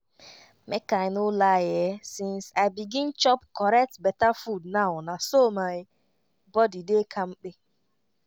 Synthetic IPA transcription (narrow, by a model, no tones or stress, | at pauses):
mʔekaɪnolajɛsĩnsaɪbiɡɪ̃nt͡ʃɔpkɔɾɛk̚tbɛtafudnaʊnasomaɪ | bɔdidekʰam̩k͡pɪ